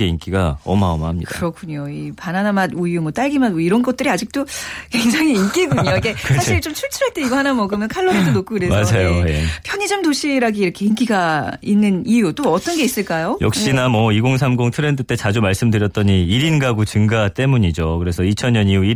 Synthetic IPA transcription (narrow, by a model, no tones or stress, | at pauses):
eink͈iɡaʌ̰maʌmaamɲikdaɯɾʌkʰuɲoipananamadujumʌt͈aɭɡimad̚moiɾʌnɡʌt̚t͈ɯɾiad͡ʑik̚t͈okwe̞ŋd͡ʑaŋiːnk͈iɡuɲoiɡe̞ksaiɭt͡ɕomt͡ɕʰuɭt͡ɕʰuɾat͈eiɡohanamʌɡɯmjʌnkʰaɭːonidonokʰuɡɯɾe̞smad͡ʑajojḛpʰjʌɲid͡ʑʌmdoɕʰiɾaɡiːɾʌkʰe̞ink͈iɡainːɯnijut͈oʌt͈ʌnɡe̞is͈ɯɭk͈ajojʌ̰k̚ɕ͈inamʌiɡoŋs̬ʰamɡoŋtʰɯɾe̞ndɯt͈e̞t͡ɕad͡ʑumaɭs͈ɯmdɯɾjʌt̚t͈ʌɲiiɾinɡaɡot͡ɕɯŋɡat͈e̞muɲid͡ʑokɯɾe̞sʰʌit͡ɕʰʌnɲʌɲiui